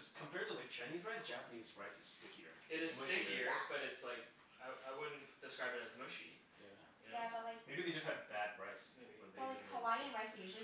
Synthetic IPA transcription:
z̥kʰə̃m̩pʰɛɹtʰəlaɪk̚t͡ʃʰãɪ̃nizɹaɪsd̥ʒ̥æpəniz̥pʰɹ̥aɪsɨz̥stɪkjə̰˞ɪɾɨz̥ɪkə˞b̥ʌɾɨtslaɪk | aɪaɪwʊdⁿn̩td̥ɨskɹaɪbɨɾɨzmɨʃḭ̃n | jæ | jæbəlaɪkmeɪbiɨvjɨd͡ʒʌst̚hɨd̪̚ðɨt̚pʰɹaɪsmebiwwɛlaɪkhəwaɪɨ̃nɹaɪsieʃɨ̃

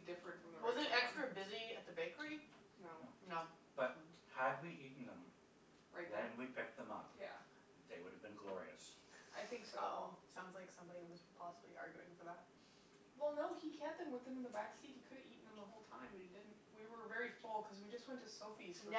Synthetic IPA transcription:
dɪfɹɨ̃ntfɹʌ̃mðwʌzɨɾɛkstɹ̥ɨbɪziɨt̪̚ðɨbeɪkə˞i | noʊnob̥ʌthɨd̚wiʔiʔn̩ðə̰̃m | ɹʔaɪt̪̚ðɨ̃nwipʰɪk̚t̪̚ðə̃mʌ̰p̚jæ̰ | ðeɪwʊɾɨvbɨ̃nɡlɔ̰ɹḭɨ̰s | ʔaɪθɪ̃ŋksɔ̰lˠsãʊ̃ndzlaɪksʌ̃mbɑɾiwʌzpʰɑsəbliʔɑ̰ɹɡjʉɪ̰̃ŋfə˞ðæt̚ | wɛlˠnoʊikʰɛp̚ðɨ̃mwəðɨ̃m̃nðəbæksit̚hikʰʊɾiʔn̩ðə̃mðəɦoʊlˠtʰãɪ̃mbʌidɪdⁿn̩t̚wiwə˞vɛɹifʊlˠkʰʌzwid͡ʒʌst̚wɛ̃ntɨsoʊfis

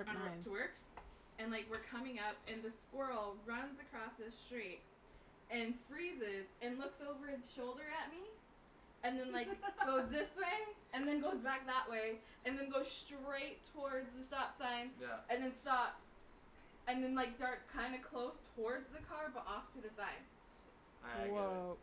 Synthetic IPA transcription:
tʰəwɜ˞k | ɨ̃nlaɪkwɨɹkʰʌmɪ̃ŋʌp̚ɨ̃nðɨskwɜ˞l̩ˠɹʌ̃nzɨkʰɹ̥ɔsðɪsstɹ̥it̚ | ɨ̃nfɹizɪzɨ̃nlʊksoʊvə˞ɨz̥ʃoʊlˠdə˞ɨt̚mi | ɨ̃nðɨ̃nlaɪɡ̥oʊzðɪsweɪ | ɨ̃nðɨ̃nɡoʊzbæk̚ðəʔwʔeɪ | ɨ̃nðɨ̃nɡoʊz̥stɹ̥eɪtʰəɔɹdzðɨstɑpsãɪ̃nɨ̃nðɨ̃nstɑps | ɨ̃nðɨ̃nlaɪk̚d̥ɑɹtskʰãɪ̃ndɨkʰl̥oʊstʰɔɹdzðɨkʰɑɹbʌɾʔɔftʰɨðɨsãɪ̃n

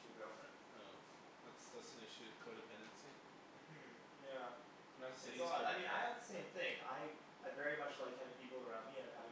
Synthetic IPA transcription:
ɨɡʌfɹɨ̰̃n | oʊ | ðætsðʌsn̩ɪʃʉɨv̥kʰoʊɾɨpʰɛ̃ndɨ̃nsi | m̩̥m̩ | jæ̃ | naɪsɪoaaɪəd̪̚ðəsẽɪ̃mθɪ̃ŋa̰ɪ | aɪvɛɹimʌt͡ʃlaɪkʰãɪ̃ndɨ̥pʰipl̩ˠə˞ãʊ̃nd̚miɨ̃a̰ɪ

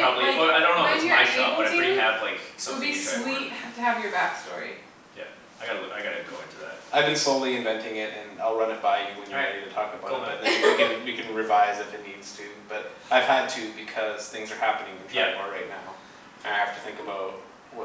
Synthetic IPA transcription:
pʰɹ̥ɑbbliwaɪdõʊ̃nːoʊaɪʃɛb̥ʌãɪ̃ɹiɨvlaɪksʌ̃biswit̚tʰɨːvjə˞bækstɔ̰ɹi | jæ̰ | aɪɡɑɾaɪɡɑɾɨt̚ɡ̥oʊɪ̰̃ŋtʰɨðæ̰t̚aɪvbɨ̃nsloʊlˠiɨ̃ɱvɛ̃ntɪ̃ŋɪɾɨ̃na̰ɪlˠɹʌ̃nɨt̚b̥aɪjɨwɨ̃njə˞ɨɾɨtʰɔkəbaʊɾɨbʌt̪̚ðɨ̃wɨkɨ̃njɨkɨ̃nɹɨvaɪzɨfɨt̚ⁿnidz̥tʰʉb̥ʌɾaɪv̥hɨd̚tʰʉbɨkʰʌz̥θɪ̃ŋzə˞hæpɨnɪ̃ŋɨ̃n̩tʰaɔ˞ɹaɪtⁿnaʊ | ɨ̃naɪhæftɨθɪ̃ŋkɨbaʊt̚ | wʌ

